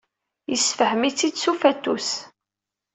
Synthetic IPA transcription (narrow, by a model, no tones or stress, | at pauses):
jəsfəhəmit͡sːid̪sufæt̪ːus